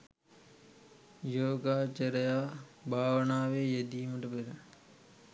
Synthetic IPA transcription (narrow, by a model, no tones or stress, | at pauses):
joːɡaːt͡ʃɐɾɐjaːbʱaːʋənaːʋejed̪iːməʈɐpeɾə